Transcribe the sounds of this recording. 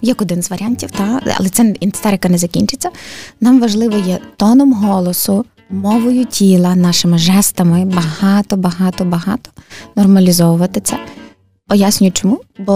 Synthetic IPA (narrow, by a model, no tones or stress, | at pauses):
jɐkɔd̪ɪnzʋɐɾʲanʲtʲiwt̪ɑɐ̰lˠɛt̪sɛint̪ɪ̥st̪ɛɾɪkɐnɛzɐkʲinʲt͡ʃɪt͡sʲːɐnɑmʋɐʒlˠɪʋɔjɛt̪ɔnɔmɦɔlˠɔsʊ | mɔʋɔjʊtʲʰilˠɐnɑʃɪmɪʒɛst̪ɐmɪbɐɦɑt̪ɔbɐɦɑt̪ɔbɐɦɑ̰t̪ɔ̥nɔrmɐlʲizɔʋʊʋɐt̪ɪt̪sɛ | ɔjasʲnʲʊjʊt͡ʃɔmubɔ